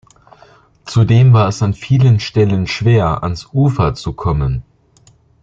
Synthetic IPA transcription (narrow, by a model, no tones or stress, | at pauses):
t͡sudeːmvaːɐɛsanfiːlənʃtɛlənʃv̥eːɐʔa̰nsʔuːfɐt͡sukʰɔmən